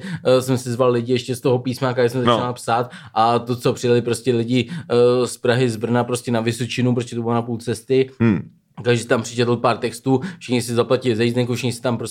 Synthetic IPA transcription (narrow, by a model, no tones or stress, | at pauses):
sɛmsɪzvallɪɟɪɛʃcɛst̪oɦopiːsmakaɛsɛmzat͡ʃnalpsaːt̪ʔat̪o̞t͡so̞pr̥ɪjalɪpɾo̞scɛlɪɟɪspɾaɦɪzbr̩napɾoscʲɛnavɪsot͡ʃɪnup̬ɾos̬cʲɛt̪obɪlonapult͡sɛst̪ɪ | t̪aɡʒɛt̪ampr̥ɪt͡ʃɛt̪l̩paːɾt̪ɛkst̪uːfʃɪxɲɪsɪzaplacɪlɪzɛjiznɛŋkufʃɪxɲɪsɪ̥t̪ampɾo